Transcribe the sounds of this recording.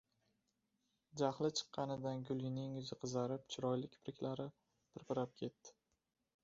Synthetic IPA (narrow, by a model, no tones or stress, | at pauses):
d͡ʒaχlˠɪt͡ʃʰɨ̥qːɑnɪd̪anɡʲʊlˠɪnɪŋzɪqʰɨzaɾɪpt͡ʃʰɪɾɒjlɪkʲpɾɪkʲlaɾɪ | pʰɪɾpɪɾap̚kʲʰe̞t̪ːɪ̥